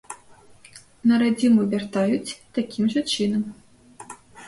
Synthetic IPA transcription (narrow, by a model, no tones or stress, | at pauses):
nɐɾad͡zʲimuvʲart̪ajut͡sʲt̪akʲʰimʐɐt͡ʂɨnɐm